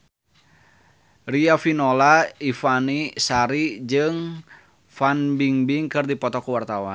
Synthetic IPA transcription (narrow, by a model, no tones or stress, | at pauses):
riafinɔlaifanisaɾid͡ʒɨŋ | fanbiŋbiŋkɨrdipɔt̪ɔkuwart̪awa̰n